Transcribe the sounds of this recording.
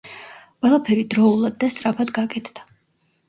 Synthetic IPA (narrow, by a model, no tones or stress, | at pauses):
qʼwɛlˠapʰɛɾid̪ɾɔulˠad̪̚ːast̪sʼɾapʰad̪ɡakʼɛt̪ʰd̪̥a